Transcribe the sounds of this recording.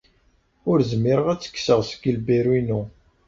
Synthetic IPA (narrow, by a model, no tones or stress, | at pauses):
ʊɾzmːɪɾəʁæt͡sːə̥kːsəʁsəɡəlbiɾwinu